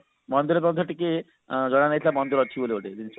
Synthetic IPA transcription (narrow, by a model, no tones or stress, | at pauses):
mɔnd̪oɾeɾpɔd̪ʰʱaʈike | d͡ʑɔɽ̃anet̪ʰilamɔnd̪oɾɔt͡ɕʰiboleoʈed̪inis